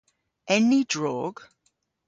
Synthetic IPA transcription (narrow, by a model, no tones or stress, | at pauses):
ʔɛnidɹɔɡ